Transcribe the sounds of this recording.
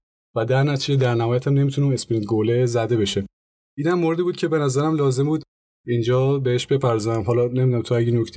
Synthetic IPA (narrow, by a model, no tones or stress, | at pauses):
væd̪æɾnæt̪ʰid͡ʒe̞d̪æɾnæhɒːjæt̪ʰæmne̞mit̪uneunespɾint̪ɡolezæd̪e̞be̞ʃe | ʔiːnæmːoɾed̪ibuːd̪̥̚cʰe̞be̞næzæɾæmlɒːze̞mbuːd̪ | ind͡ʒɒːbe̞heʃbe̞pʰæɾzɔjæmɦɒːlɒne̞mid̪unæmt̪ʰoæɟenocʰt̪ʰ